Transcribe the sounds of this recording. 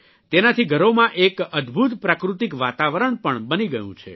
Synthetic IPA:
t̪enat̪ʰiɡʱəɾomãʔekəd̪bʱut̪pɾakɾut̪ikʋat̪aʋəɾəɳpəɳbəniɡəjṵ̃t͡ʃʰḛ

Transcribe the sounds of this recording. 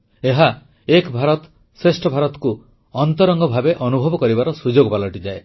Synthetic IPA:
eɦa | ekbʱaɾɔt̪ | sesʈʰɔbʱaɾɔt̪ɔ̥ku | ɔnt̪ɔɾɔŋɡɔbʱabeʔɔnubʱɔbɔkɔɾibaɾɔsud͡ʒoɡpalɔʈid͡ʒae

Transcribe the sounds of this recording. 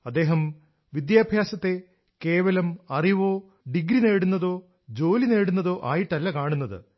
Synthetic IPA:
ɐd̪ːe̞ːɦɐm | ʋid̪jaːbʱjaːsɐt̪ːe̞ | ke̞ːʋɐlɐmɐriʋo̞ː | ɖiɡɾine̞ːɽunːɐðo̞ː | d͡ʑo̞ːline̞ːɽunːɐðo̞ːʔaːjiʈːnɐlːɐkaːɳunːɐðɨ̰

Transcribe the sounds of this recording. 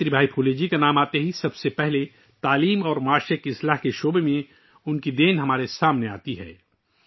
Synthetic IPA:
ɾibʱaːipʰuːled͡ʒikanaːmaːt̪eɦisɐbsepɛɦle | t̪aːliːmɔːɾmaːʃəkɪslaːɦkeʃoːbemẽ | ʊnkid̪eːnɦɐmaːɾesaːmnea̰ːt̪iɦɛ̰ː

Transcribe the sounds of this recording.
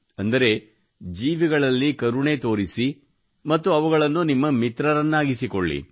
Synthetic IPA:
ɐnd̪ɐɾe̞ | d͡ʒiːʋiɡɐɭɐlːikɐɾuɳe̞ːt̪o̞ːɾisi | mɐt̪ːuɐʋuɡɐɭɐnːunimːɐmit̪ɾɐɾɐnːaːɡisikoɭːḭ

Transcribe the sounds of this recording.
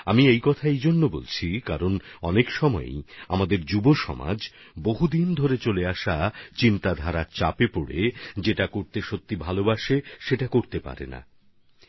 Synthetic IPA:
amiejkɔt̪ʰaejd͡ʑonːobo̰lt͡ɕʰikaɾonɔnekʃɔmɔ̰ḛa̰mad̪eɾd͡ʑuboʃɔ̰ma̰d͡ʑ | boɦud̪ind̪ʱoɾet͡ɕoleaʃat͡ɕint̪ad̪ʱaɾat͡ɕapepoɽed͡ʑeʈakoɾt̪eʃot̪ːibʱalobaʃeʃeʈakoɾt̪epa̰ɾḛna̰

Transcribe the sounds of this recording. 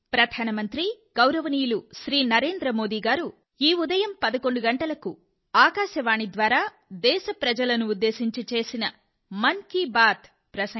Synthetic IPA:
pɾɐd̪ʱaːnɐmɐnt̪ɾi | ɡ̥ɐwɾɐʋɐnijuluʃɾiːnɐɾe̞ːnd̪ɾɐmo̞ːd̪iːɡaːɾu | iːud̪ɐjɐmpɐd̪ɐko̞ɳɖuɡɐɳʈɐlɐku | aːkaːʃɐʋaːɳid̪ʋaːɾaː | d̪ɛːʃɐpɾɐd͡ʒɐlɐnuːd̪ːe̞ːsiɲt͡ʃit͡ʃe̞ːsinɐ | mɐŋkibaːt̪ | pɾɐsɐ

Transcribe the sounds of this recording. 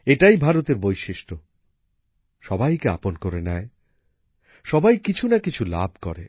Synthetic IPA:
eʈajbʱaɾot̪eɾbojʃiʃʈo | ʃɔbajkea̰ponkoɾenɛe | ʃɔbajkit͡ɕʰunakit͡ɕʰula̰bʱkɔ̰ɾe

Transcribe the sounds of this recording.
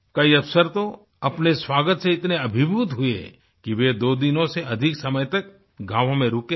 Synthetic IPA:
kɐiɐʋsəɾt̪o | ɐpneswaːɡət̪seɪt̪neɐbʱɪbʱuːt̪ɦʊḛ | kiʋed̪oːd̪ɪnõseɐd̪ʱɪksɐməjt̪ɐk | ɡʱaːʋõmẽɾuːke

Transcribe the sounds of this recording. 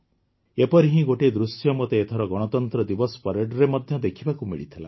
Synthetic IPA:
epɔɾiɦĩɡoʈed̪ɾusjɔmot̪eːt̪ʰɔɾɔɡɔɽ̃ɔt̪ɔnt̪ɾɔd̪ibɔsɔ̥pɔɾeɖɾemɔd̪ʱjɔd̪ekʰibakumḭɭit̪ʰila̰

